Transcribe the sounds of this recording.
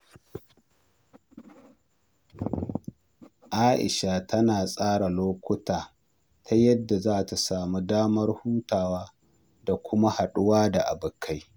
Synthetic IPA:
ʔaː˦ʔɪ̰˨ʃa˨tʰɐ˦naː˨sʼaː˦ɽa˨loː˦kʷʊ˦taː˨ | tʰa˦jɐ˦dːa˨zaː˦ta˨saː˨mu˦daː˦mɐ˦rhuː˦taː˨waː˦ | da˨kʷʰʊ˦ma˦ha˨ɗʊ˦waː˦da˨ʔa˨bʊ˨kʰa˦j

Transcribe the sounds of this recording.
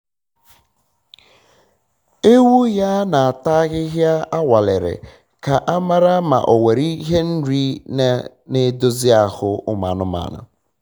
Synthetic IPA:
e˦wu˦ja˦na˨a˨ta˦ɣɪ˦ɦja˦a˦wa˨lɪ˨ɾɪ̰˨ | ka˨ʔa˦ma˦ɾa˦ma̰˨ʔo˨we˨ɾi˦ɦe˦n̩˦ɾi˦ne˦ | ne˦do˦zɪ˦a˨hʊ˦ʊ˦ma̰˨nʊ˦ma̰˨nʊ̰˨

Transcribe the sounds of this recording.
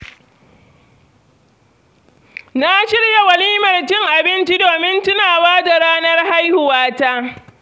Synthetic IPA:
na˦ʃɪ˦rja˨wɐ˨liː˦mɐ˨rt͡ʃɪ˦ŋʔa˨bɪ˦nt͡ʃi˦doː˨mɪ˦ntʊ˦naː˨waː˦da˨ɾaː˦nɐ˦rha˦jhʊ˨waː˦ta˦ʔ

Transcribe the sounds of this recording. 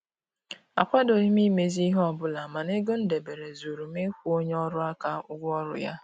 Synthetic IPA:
a̰˨kʷa˦do˨ɲi˦mi˦me˨zi˦ɦɔ˨bʊ˦la˨ma˨ne˦ɡo˦n̩˦de˨be˨ɾe˨zu˨ɾu˨me˦kʷu˦o˦ɲe˦ɔ˦ɾʊ˦a˦ka˦ʊ˦ɡʷɔ˦ɾʊ̰˨ja˦

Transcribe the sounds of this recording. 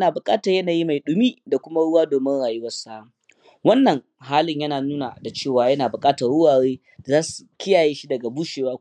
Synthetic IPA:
naː˨bʊ˨kʼaː˦tɐ˨jɐ˦naː˨ji˦ma˨jɗʊ˦miː˦da˨kʷʊ˦ma˦ɽʊ˦waː˦doː˨mɪ˦ŋɽaː˨jʊ˦wɐ˦rsa˦˨ | wɐ˦nːɐ˨ŋ | ɦaː˦lɪ˨ɲjɐ˦naː˨nuː˦na̰˨da˨t͡ʃeː˦˨waː˨jɐ˦naː˨bʊ˨kʼaː˦tɐ˨rɽʊ˦waː˨ɽeː˦˨ | zaː˦su̥˨kʲɪ˦jaː˨jeː˦ʃi˦dɐ˨ɡa˨buː˦ʃeː˨waː˦

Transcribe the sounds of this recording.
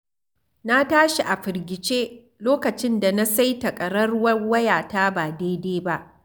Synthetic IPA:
na˦taː˦ʃi˨ʔa˨ɸɪ˨ɾɡʲɪ˨t͡ʃeː˦ | loː˦kɐ˨t͡ʃɪ˦nda˨na˦sa˦jtɐ˨kʼɐ˨ɽɐ˦rwɐ˦wɐ˦jaː˨taː˦baː˨deː˦deː˦ba˦ʔ

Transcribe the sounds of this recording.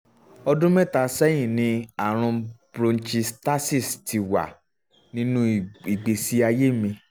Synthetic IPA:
ɔ˧dũ˦mɛ̃˦˨ta˨˦sɛ˦j̃ĩ˦˨nĩ˨˦a˦˨ɾ̃ũ˧bɾõ˧n̩˦t͡ʃi˧sta˦si˦˨sti˧wa̰˨ | nĩ˦nũ˦i˨ɡ͡be˨si˨˦a˧je˦mĩ˧

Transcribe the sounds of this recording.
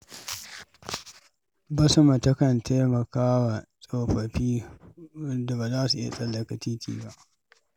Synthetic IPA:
bɐ˦sɐ˦ma˨tɐ˦kɐ˨ntʰa˦mɐ˨kaː˦wa˨sʼoː˨ɸɐ˨ɸiː˦ | da˨ba˨zaː˦su˨ʔɪ̰˦a̰˨sʼɐ˦˨lːɐ˨kɐ˨tiː˦tʰḭː˨ba˦ʔ

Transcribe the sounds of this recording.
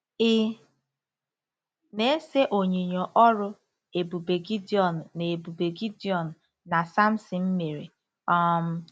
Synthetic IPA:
ɪ˦ | ne˦se˦ʔo˨ɲe˨ɲo˨ʔɔ˦ɾʊ˦ | e˨bu˨be˨ɡi˦di˦ɔ˨n˨ne˨e˨bu˨be˨ɡi˦di˦ɔ˨n̩˨ | na˨sa˦m̩˦sɪ˨m̩˦me˨ɾḛ˨ | ɔ˦m̩˦

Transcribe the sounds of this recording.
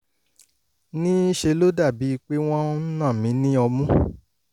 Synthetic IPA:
nĩ˦i˦ʃe˧lo˦da˦˨bi˨˦i˧k͡pe˦w̃ɔ̃˦n̩˦nã˦˨mĩ˨˦nĩ˦ɔ˧mũ˦

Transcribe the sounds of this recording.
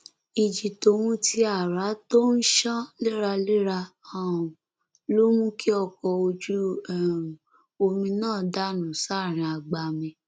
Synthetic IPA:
i˨d͡ʒi˨to˨˦wũ˦ti˧a˨ɾa˨˦to˦n̩˦ʃã˦le˦ɾa˧le˦ɾa˧ã˨ | lo˦mũ˦ki˦ɔ˧kɔ˧o˧d͡ʒu˦˨ | o˧mĩ˧nãː˦˨da˦˨nũ˨sa˦˨ɾ̃ĩ˧a˨ɡ͡ba˧mĩ˧

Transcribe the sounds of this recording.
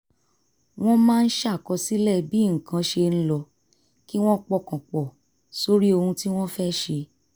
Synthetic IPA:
w̃ɔ̃˦mãː˦˧n̩˦ʃa˦˨kɔ˧si˦lɛ˦˨bi˦˨kã˧˦ʃe˧n̩˦lɔ˧ | ki˦w̃ɔ̃˦k͡pɔ˦˨kã˨k͡pɔ˨ | so˨ɾi˦o˧hũ˧ti˦w̃ɔ̃˦fɛ˦ʃe˧

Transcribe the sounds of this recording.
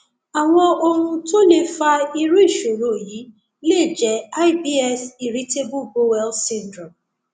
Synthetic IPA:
a˨ŋ̃ʷɔ˦o˦ɾũ˦to˦le˦fa˦i˦ɾu˦i˦˨ʃo˨ɾo˨ji˨˦ | le˦˨d͡ʒɛ˨a˦ɪ˦bi˦ɛ˦si˨ɾi˦te˦bu˦ɡo˦wɛ˦lsĩ˦ndɾɔ˨m

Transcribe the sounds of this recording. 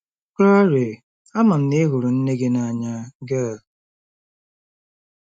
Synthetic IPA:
kɾa˦ɾe˨ | a˦ma˨m̩˨ne˦ɦʊ˨ɾʊ˨n̩˦ne˦ɡe˦na˦˨ɲa˦ɡe˦˨l

